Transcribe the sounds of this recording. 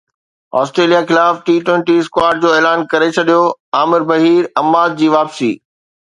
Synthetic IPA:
ɔːsʈɾeːlijaxɪlaːfʈiːʈwɛ̃ːɳʈiskwaːɾɖ̚d͡ʑoːeːlaːnkɐɾet͡ɕʰɐɗijoaːmɪɾbɐɦiːɾɐmːaːd̪̚d͡ʑiːʋaːpsḭː

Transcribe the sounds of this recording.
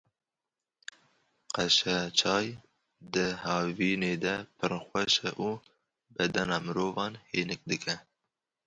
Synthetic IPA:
qɛʃɛt͡ʃʰɑːj | d̪ɨhɑːviːneːd̪ɛpʰɨɾxʷɛʃɛʔuː | bɛd̪ɛnɑːmɨɾoːvɑːnheːnɨk̚d̪ɨkʰɛ

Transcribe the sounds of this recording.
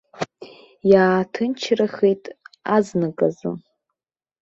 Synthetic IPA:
jaːtʰɨnt͡ʃʰraχejtʼaznakʼazɨ̰

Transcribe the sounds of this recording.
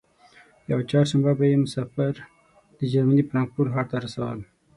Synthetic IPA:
jawat͡ʃɑɾʃambabajemʊsafəɾ | d̪̥əd͡ʒaɾmanipəɾaŋɡ̚puɾɦɑɾt̪aɾasawəl

